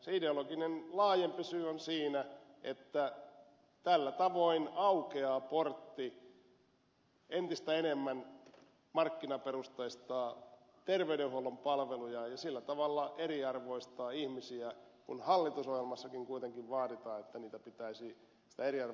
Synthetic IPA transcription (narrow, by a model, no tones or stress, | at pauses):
seideoloɡinenlɑːjempisyːonsiːnæʔḛt̪ːæ | t̪ælːæt̪ɑʋoinɑukeɑːport̪ːi | ent̪ist̪æenemːæn | mɑrkːinɑperust̪ɑist̪ɑː | t̪erʋeyɾeuholːompɑlʋelujɑjɑsilːæt̪ɑʋɑlːɑʔeɾiɑrʋo̞ist̪ɑːihmisiækunhɑlːit̪usohjelmɑsːɑkiŋkuit̪eŋkiʋʋɑːɾit̪ɑːet̪ːæniːt̪æpit̪æisi | si̥t̪æeɾiɑr